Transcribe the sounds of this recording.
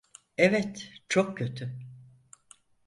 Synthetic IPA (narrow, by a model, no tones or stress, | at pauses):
ɛvɛt̪t͡ʃʰok̚cʰø̞t̪ʰy